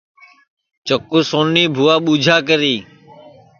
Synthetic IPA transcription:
t͡ʃəkːuːsoːnːiːbʱuːaːɓuːd͡ʒʱaːkəɾiː

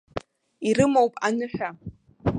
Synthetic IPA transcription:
iɾɨmowpʼanɨħᶣa

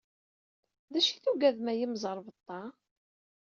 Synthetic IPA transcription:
ðæʃi̥θuɡæðmæjimzˤəɾˤvət̪ˤːɑ

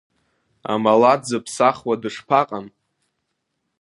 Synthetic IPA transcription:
a̰malad͡zɨpʰsaχwadɨʂpʰaqʼan

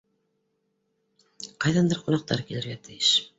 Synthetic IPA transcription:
qɑjðɑnd̪ɤɾqunɑq̚t̪ɑ̰ɾkilɘ̆ɾɡæt̪ʰɘ̆jɘʃ

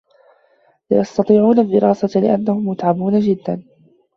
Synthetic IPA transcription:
la̰jɑst̪ɑt̪ˤiːʕuːnad̪ɪɾɑːsalɪ̰ʔanːahʊmːʊt̪ʕamuːnad͡ʒɪd̪ːan

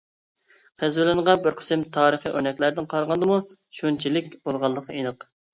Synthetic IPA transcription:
qʰæzwɪlˠɪnʁɑbɪɾqʰə̥sɪmt̪ʰɑːɾəχiʔøɾnɛkʲlæɾd̪ɪnqʰɑɾʁɑnd̪ɨmuʃunt͡ʃʰilɪk̚ʲb̥olˠʁɑlˠːəqenɨq

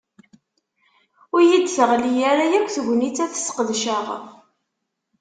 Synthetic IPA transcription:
ijid̪θəʁlijæɾajækʷːθʝʷnit͡sːæθə̥sqəðʃəʁ

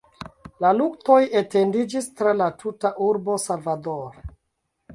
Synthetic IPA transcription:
laluk̚to̞jete̞ndid͡ʒistɾalatʰutaʔuɾbo̞salvadoɾo

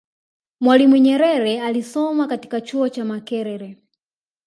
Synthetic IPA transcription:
mwalimuɲɛɾɛɾɛalisɔmakati̥kat͡ʃuɔt͡ʃamakɛɾɛɾɛ

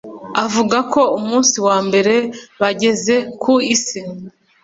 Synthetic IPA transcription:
avuɡako̞umuːnsiwaːmbe̞ɾe̞βaɟe̞ze̞kʰuisi

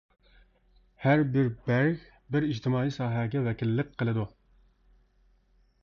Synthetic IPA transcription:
hæɾbɪɾbæɾɣʲ | bɪɾid͡ʒt̪ʰɪmɑːijsɑːɦɛɡʲɛvɛkʲilːɪk̚ʲqʰːəlˠɨd̪u

